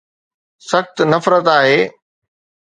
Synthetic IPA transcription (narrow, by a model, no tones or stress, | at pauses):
sɐxt̪nɐfɾət̪aːɦeː